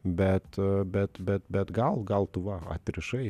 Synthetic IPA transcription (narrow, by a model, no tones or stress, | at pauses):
bʲɛt̪bɛt̪bɛt̪bʲɛt̪ɡɑlˠɡɑlˠt̪uʋɑɐ̰t̪ʲɾʲɪʃɛɪ